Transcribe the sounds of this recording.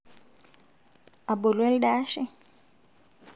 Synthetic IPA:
a˨ɓo˨lwɛ˦lɗa˦ʃɛ˦

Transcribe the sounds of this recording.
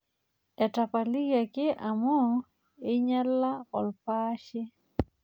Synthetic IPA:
a˨ta˨pa˨li˦ɣa˨ke˦ʔa˨mɔ˦ | e˦ɲa˦la˦ɔ˨lpa˦ʃɛ˦

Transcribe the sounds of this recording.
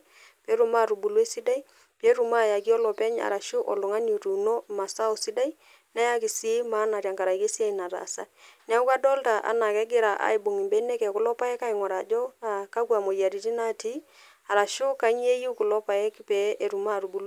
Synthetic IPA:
pɛ˨˦ɾu˨ma˦˨ɾu˨bu˨le˦si˦da˦i˦ | pe˨˦ɾu˨ma˦˨ja˨k̬i˦ɔ˦lɔ˨pɛ˦ɲa̰˨ɾa˨ʃʊ˦ʔɔ˨lʊ˨ŋa˦no˨tu˨no˦ma˨sa˦o˨si˦da˦i˦ | na˦ja˦ki˨si˦ma˦na˨ɾja˨ŋka˨ɾa˨i˨ke˦si˦a˦i˨na˨ɾa̰˨sa̰˦nɛ˦ʊ˦ka˦dɔ˦lta˨ʔa̰˨na˨kɛ˦ɡɪ˦ɾa˨ʔa̰˨i˨bo˨ŋi˨mbɛ˨˦nɛ˦kɛ˨kʊ˨lɔ˦pa˦ɛ˦ka˦i˨ŋɔ˨ɾa˨d͡ʒɔ˦a˨ka˦kwa˨mo˨ja˨ɾi˨ti˦na˦ti˦ | a˨ɾa˨ʃʊ˦ka˦ɲ˦e˦ju˦kʊ˨lɔ˦pa˨ɛ˦kpɛ˨˦ʔe˨ɾu˨ma˦˨ɾu˨bu˨l

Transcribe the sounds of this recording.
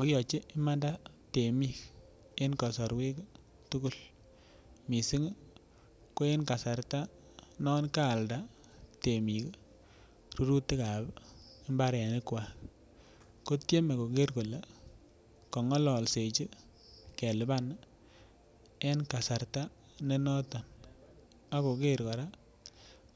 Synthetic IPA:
ɔ˨kjɔ˨t͡ʃi˦ɪ˦ma˦nda˦ | te˨mi˦k | e˦nkɔ˨sɔ˨ɾwe˦k | tu˦ku˦l | mi˨si˦ŋ | ko˦e˦nka˨sa˨ɾta˦ | nɔ˦nkaː˦˨lda˦ | te˨mi˨k | ru˦ɾu˦tːi˦ka˨bi˦mba˦ɾa˨nɪ˦kwa˨ | ko˦tje˦me˨ko˨ke˦ɾko˨le˨ | kɔ˨ŋɔ˦lɔ˨lse˨t͡ʃi˦ | ke˨lɪ˨ba˦n | e˦nka˨sa˨rta˦ | ne˦nɔ˦ta˨n | a˦ko˨ke˦ɾkɔ˨ɾa˦

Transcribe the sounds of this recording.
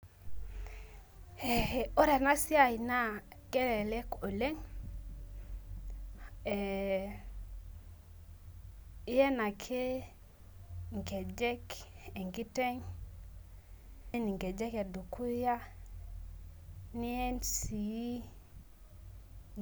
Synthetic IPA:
e˨e˨o˦ɾe˨na˦si˦a˨i˨na˦ | ɡe˦le˨le˦ko˨le˦ŋ | e˨ | i˦je˦na˨kʰe˦ | ŋɡe˨d͡ʒe˦ke˨ŋɡi˦te˦ŋ˦ | ni˨ŋɡe˨d͡ʒe˦ke˨du˨kʰu˦ja˦ | ni˦e˦nsi˨ji˦

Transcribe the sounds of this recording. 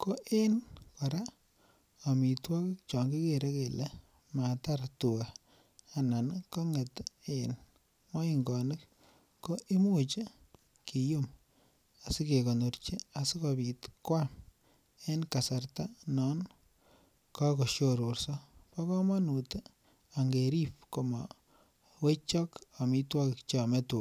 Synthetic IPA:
ko˦ʔe˦nka˨ɾa˦ | a˨mi˨twɔ˦kkt͡ʃɔ˨ŋɡi˦keɾe˦ke˨le˦ | ma˨ta˦ɾtu˨a˨ | a˨na˨nkɔ˦ŋe˨ten | mɔ˦iŋɡɔ˨nɪ˦kː | o˦ʔi˦mu˦t͡ʃi˦ | ki˨jo˦m | a˨sike˨ko˨noɾt͡ʃi˦a˨si˦kɔbi˨tkwam | e˦nka˨sa˨rta˦nɔ˦n | ka˦ko˨ʃjoɾorsɔ˦pa˦kɔ˦ma˦nute˦ | a˨ŋɡe˨ɾipko˨ma | we˦t͡ʃɔ˦ka˨mi˦twɔ˦kɪ˨kt͡ʃamɛtu˨

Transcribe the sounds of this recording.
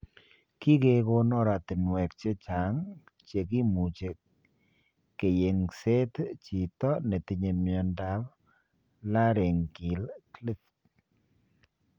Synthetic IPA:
ki˦ke˦ko˦nɔ˦˨ɾa˨ti˨nwɛ˨k̚t͡ʃe˦t͡ʃa˨˦ŋ | t͡ʃe˨ki˦mu˨t͡ʃe˨k | kːe˨je˨ŋse˦tt͡ʃi˨tɔ˦ne˨ti˨ɲe˨mjɔ˨nda˦p | la˦ɾe˨ŋki˨lkli˦t

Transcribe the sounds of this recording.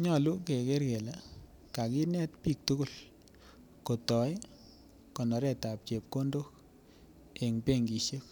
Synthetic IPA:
ɲɔ˨lu˦ke˨ke˦ɾke˨la˨ | ka˨ki˦nɛ˦tpi˦k̚tu˦ku˦˨l | ko˨tɔ˨j | kɔ˨nɔ˨ɾɛ˦˨ta˨p̚t͡ʃe˨p̚ko˦ndo˦k̚ | e˨ŋpe˦ŋɡi˨ʃje˦k

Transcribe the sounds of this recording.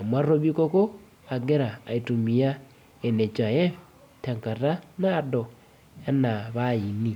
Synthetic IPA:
a˨mwa˦ro˦βi˦ko˦ko˦ | a˨ɡe˦ɾa̰ː˨i˨tu˨mi˨ja˦ | e˨ne˨t͡ʃa˨jɛ˦ | ta˨ŋka˨ta˦naː˦dɔ˨ | ja˦na˨βa˦i˨ni˦

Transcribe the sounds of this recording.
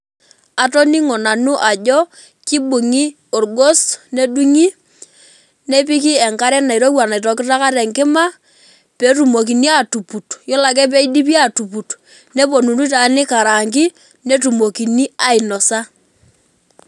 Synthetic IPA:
a˨to˦ni˦ŋɔ˨na˨nʊ˦ʔa˨ʄɔ˦ | kɪ˦ɓʊ˨ŋi˦ | o˨rɡo˦sne˦ɗu˦ŋi˦ | ne˦p̬i˦ki˦ɛ˨ŋka˦ɾɛ˦na˨jɾo˦wa˨na˨tɔ˨kɪ˦ta˦ka˦ɾɛ˨ŋkɪ˦ma˦ | pe˨˦tu˨mo˨k̬i˨ni˦a˨tu˨pu˨tjɔ˦la˨k̬ɛ˦p̬e˦i˦di˦p̬i˦a˨tu˨pu˨t | ne˦po˨nu˨tu˦ta˨nɪ˦ka˨ɾa˨ŋkɪ˦ | ne˦tu˨mo˨ki˨ni˦a˦˨ɪ˨nɔ˨sa˦

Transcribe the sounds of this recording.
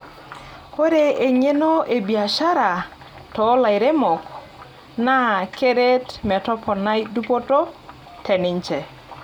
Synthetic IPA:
ko˦ɾe˨e˨ɲe˦no˦ʔe˨bi˨a˨ʃa˦ɾa˨ | tɔ˨˦la˨ɪ˨ɾe˦mɔ˨k | na˦ke˦ɾe˦tmɛ˨tɔ˦pʰɔ˨na˦jdu˦po˦to˦ | tʰɛ˨nɪ˨˦ɲt͡ʃɛ˨

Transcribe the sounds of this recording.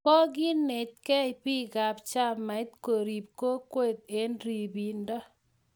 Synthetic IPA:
pɔ˦ɡɪ˦ne˨t̚kɛ˦ɪ˨pi˦ɡa˨pt͡ʃa˦mːa˨ɪ˦t̪ko˨ɾi˨p̚ko˦kwe˦˨t̪̚e˦nɾi˨bi˨nda˦

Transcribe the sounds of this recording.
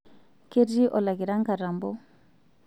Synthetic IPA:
ke˦di˦ʔɔ˨la˨ɡi˨ɾa˦ŋka˨ɾa˨mbɔ˦

